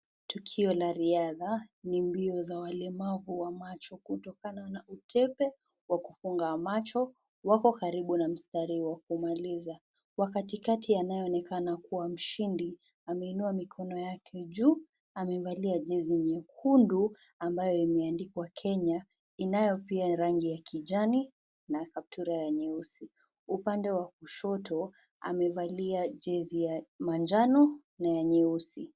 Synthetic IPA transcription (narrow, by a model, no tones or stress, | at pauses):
tukʰiɔlaɾiaðanimbiɔzawalɛmavuwamat͡ʃɔkutɔkananaʔutʰɛpɛ | wakufuŋɡamat͡ʃɔ | wakɔkaɾiɓunam̩staɾiwakumaliza | wakatikatʰijanajɛɔnɛkanakuwam̩ʃindi | amɛinuamikʰɔnɔjakʰɛʄuː | amɛvaliaʄɛziɲɛkʰundu | ambajɔimɛandikwakʰɛɲa | inajɔpiaɾaŋɡijakʰiʄani | nakap̚tʰuɾajaɲɛusi | upandɛwakuʃɔtɔ | a̰mɛvaliaʄɛzijamand͡ʒanɔ | najaɲɛusi